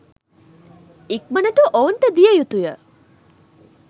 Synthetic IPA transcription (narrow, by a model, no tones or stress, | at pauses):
ik̚mɐnɐʈuʔownʈ̪ɐd̪ijəjut̪ujə